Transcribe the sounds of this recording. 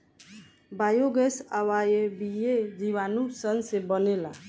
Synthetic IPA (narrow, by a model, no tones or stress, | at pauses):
bajoɡesawajebijed͡ʒiwanũsənsebɔnela